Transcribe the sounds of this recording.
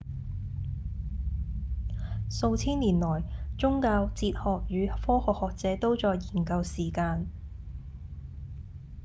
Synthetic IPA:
so˧wt͡sʰiː˥nliː˨˩nlɔː˨˩jt͡sʊ˥ŋkaː˧wt͡siː˧t̚hɔː˨k̚jyː˨˧fɔː˥hɔː˨k̚hɔː˨k̚t͡sɛː˨˧˥t̪o˥wt͡sɔː˧jːiː˨˩nkɐ˧wsiː˨˩kaː˧n

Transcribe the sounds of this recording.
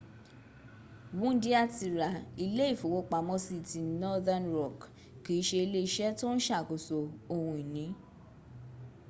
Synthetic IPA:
wũ˦n̩˦di˦a˦˨ti˧˨ɾa˨i˧le˦i˦˨fo˨wo˨˧k͡pa˧˨mɔ̃˧˦si˦˨ti˧nɔ˦ða˧nɾɔ˨k | ki˨˦ʃe˧i˧le˦i˧˦ʃɛ˦to˦ñ̩˦ʃa˦˨ko˨so˨o˧hũ˧i˨nĩ˨˦

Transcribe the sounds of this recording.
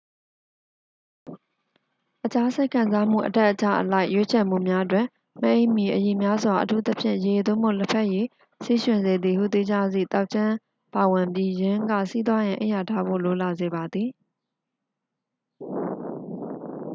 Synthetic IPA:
ʔət͡ɕa˦sɛ˦ɪkʰã˨nza˦m̥ṵ˦˨ʔətɛ˦ʔːət͡ɕa̰˨ʔəla˦ɪʔjwe˦t͡ɕʰɛ˨m̥ṵ˦˨mja˦ʔtwɪ̃˨ | mə˦ʔẽ˦ɪ̃mji˨ʔəji˨mja˦zwa˨ʔətʰṵ˦t̪ə˦pʰjɪ̰̃˦˨je˨d̪õ˦˨m̥o̰˦˨lə˦pʰɛ˦ʔje˦˨ | si˦˨ʃwɪ̃˨nze˨d̪ði˨hṵ˦˨t̪e˦d͡ʑa˦zḭ˦˨t̪a˦ʊʔt͡ɕʰã˦ | pa˨wɪ̃˨mpji˦jɪ̃˦ŋɡä̰˦˨sḭ˦t̪wa˦jã˨ʔḛ̃˦˨ja˨tʰa˦bo̰˦˨lo˨la˨ze˨ba˨d̪ði˨

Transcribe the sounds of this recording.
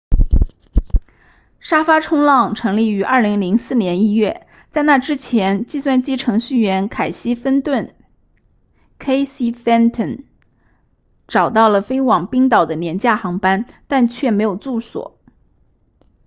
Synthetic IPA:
ʂa˥fa˥ʈ͡ʂʰʊ˥ŋlɑ˥˩ŋʈ͡ʂʰɤ˧˥ŋli˥˩y˧˥ʔɐ˞˥˩li˧˥ŋli˧˥ŋsɹ̩˥˩njɛ˧˥ni˥ɥɛ˥˩ | t͡sa˥˧ɪna˥˩ʈ͡ʂɻ̩˥t͡ɕʰjɛ˧˥nt͡ɕi˥˧swa˥˩nt͡ɕi˥ʈ͡ʂʰɤ˧˥ŋɕy˥˩ɥɛ˧˥nkʰa˨˩ɪɕi˥fə˥nt̪wə˥˩n | kʰe˥ɪsi˥fɛ˥nt̪ʰə˥˩n | ʈ͡ʂɑ˨˩ʊt̪ɑ˥˩ʊlə˩fe˥ɪwɑ˨˩ŋpi˥ŋt̪ɑ˨˩ʊd̪ə˦njɛ˧˥nt͡ɕja˥˩xɑ˧˥ŋpa˥nt̪a˥˧nt͡ɕʰɥɛ˥˩me˧˥ɪjo˨˩ʊt͡su˥˩swɔ̰˨˩˦

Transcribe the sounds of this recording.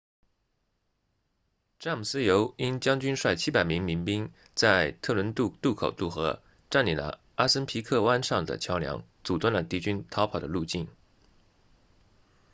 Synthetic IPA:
ʈ͡ʂa˥˩m˨˩sɹ̩˥jo˧˥ʊi˥nt͡ɕjɑ˥ŋt͡ɕy˥nʂwa˥˩ɪt͡ɕʰi˥pa˨˩ɪmi˧˥ŋmi˧˥ŋpi˥ŋ | t͡sa˥˧ɪt̪ʰɤ˥˩lwə˧˥n˥˧t̪u˥˩kʰo˨˩ʊt̪u˥˩xɤ˧˥ | ʈ͡ʂa˥˩nli˨˩lə̰˩ | a˥sə˥npʰi˧˥kʰɤ˥˧wa˥nʂɑ˥˩ŋd̪ə̰˨˩t͡ɕʰjɑ˧˥ʊljɑ̰˧˥ŋt͡su˨˩t̪wə˥˩nlə˩t̪i˧˥t͡ɕy˥nt̪ʰɑ˧˥pʰɑ˨˩ʊd̪ə˦lu˥˧t͡ɕi˥˩n

